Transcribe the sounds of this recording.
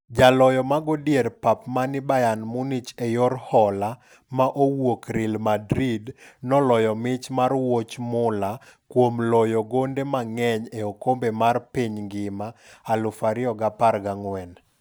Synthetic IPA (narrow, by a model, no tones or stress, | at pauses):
d͡ʒalɔjɔmaɡodjeɾpapmanɪbajanmʊnit͡ʃejoɾhɔla | maʔowokɾɪlmadɾidnɔlɔjɔmɪt͡ʃmarwot͡ʃmʊlakwomlɔjɔɡondemaŋɛɲeokombemarpiɲŋɡɪmaːlʊfaɾɪɔɡapaɾɡaŋwɛn